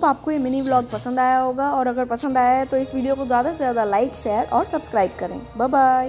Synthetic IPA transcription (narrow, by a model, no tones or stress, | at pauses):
ɐbaːp̚koemɪniblɔːɡ̚pɐsə̃nd̪aːjaɦoːɡaɔːɾɐɡəɾpɐsə̃nd̪aːjaɦɛt̪oɪsʋiːɖijokozjaːd̪aezjaːd̪alaɪkʃɛːəɾɔːɾsɐbskɾaːɪb̚kɐɾḛ̃ːbaːbaːj